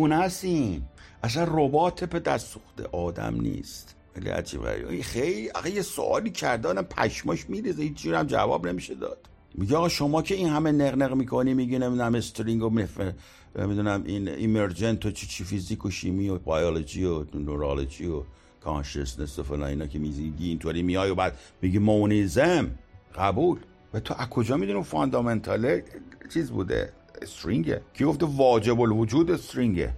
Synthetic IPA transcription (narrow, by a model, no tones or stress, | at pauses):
unæsinʔæs̬ænrobɒːt̪ʰepe̞d̪æssuxd̪e̞̰ʔɒːd̪æ̰mnḭːst̪ | xejlḭæ̰d͡ʒḭːbɣæ̰ɾḭixejliæ̰sæjeso̰ʔɒ̰ːliːcʰæɾd̪eɒd̪æmpʰæ̰ʃmɔʃmiɾizehit͡ʃd͡ʒuːɾæmd͡ʒæ̰vɒ̰ːbne̞miʃed̪ɒ̰ːd̪̥ | miɟeːɣɒːʃo̞mɒːcʰe̞inhæmeneɣneɣmiːkʰo̞nimiːɟinemid̪unæmest̪ʰoɾiŋɡomefe | nḛmid̪unæmʔinḭmeɾd͡ʒent̪ʰot͡ʃʰi̥t͡ʃʰifizikʰoʃimiːobɒjolod͡ʒionoɾɑlod͡ʒiːo | kʰɑ̰nʃḛsnesofelɒ̰ːniːnɒːkʰemizimiɟiːnt̪ʰoɾimijɒːjobæd̪̥miɟimonizemɢæbuːl | væt̪ʰoʔækʰo̞d͡ʒɒːmid̪unimfɔnd̪ɒment̪ʰɒlet͡ʃʰiːzbṵːd̪ḛ | est̪ɾiŋɟḛkʰiɡoft̪evɒːd͡ʒebolvod͡ʒuːd̪est̪ɾiŋɟḛ